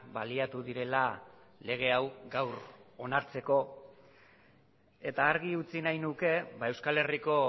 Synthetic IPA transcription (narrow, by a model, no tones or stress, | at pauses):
baliat̪uðiɾe̞lale̞ɣ̞e̞awɡawɾo̞naɾt͡se̞ko̞ | e̞t̪aːɾɣiut͡sinajnuke̞βae̞wskale̞riko̞